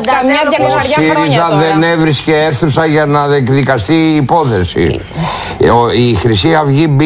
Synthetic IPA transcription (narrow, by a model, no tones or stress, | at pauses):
osiɾizɐðenevɾisceeɾθusɐʝɐnɐekðikɐst̪iːpo̞θesḭ | oixɾisiɐvʝib